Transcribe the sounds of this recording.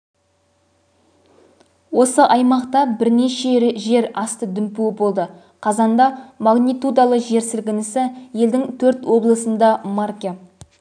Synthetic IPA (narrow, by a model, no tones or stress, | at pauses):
wo̞səʔɑjmɑqt̪ɑbɪɾne̞ʃeʒe̞ɾɑst̪əd̪ʏmpuɪbo̞lˠd̪ə | qʰɑzɑnd̪ɑmaɡnijt̪ud̪alˠəʒe̞ɾsɪlɡʲɪnɪsɪje̞ld̪ɪŋt̪ʰɵɾt̪wo̞blˠəsənd̪ɑmarkʲe